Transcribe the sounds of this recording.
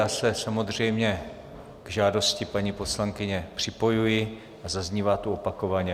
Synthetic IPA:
aːsɛsamo̞d̪r̝ɛjmɲɛ | ɡ̥ʒaːdo̞scɪpaɲipo̞slaŋkɪɲɛpr̝̥ɪpo̞jujɪ | ʔazazɲiːvaːt̪uopako̞vaɲɛ

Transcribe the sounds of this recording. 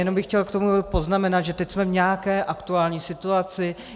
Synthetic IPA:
jɛno̞mbɪxcɛlkt̪o̞mupo̞znamɛnat̪ʒɛt̪ɛcsmɛvɲɛakɛːʔakt̪uaːlɲiːsɪt̪uat͡sɪ

